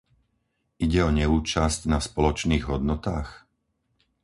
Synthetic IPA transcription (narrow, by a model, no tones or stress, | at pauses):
iɟɛɔɲɛuːt͡ʃascnaspɔlɔt͡ʃniːɣɦɔd̪nɔt̪aːx